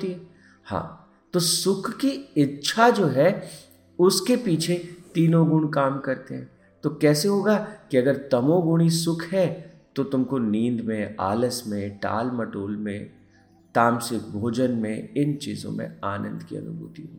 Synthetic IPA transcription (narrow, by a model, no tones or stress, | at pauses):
iɦɛ | hã̰ː | t̪oːsʊkʰːiɪtːʃʰad͡ʒoːɦɛ | ʊskepiːt͡ʃʰet̪iːnõɡʊɳkaːmkɐɾt̪eɦɛ̃ː | t̪okɛːseɦoːɡakiɐɡəɾd̪ɐmõɡʊɽ̃isʊkʰɦɛ | t̪ot̪ʊmkonĩːnd̪mẽa̰ːləsmẽʈa̰ːlmɐʈoːlmẽ | ʈ̪aːmsɪk̚bʱoːd͡ʒənmḛ̃ɪnt͡ʃḭːzõ̰mḛ̃aːnə̰̃nd̪kḭɐ̰nʊ̰bʱṵːt̪iɦo̰ːɡiiː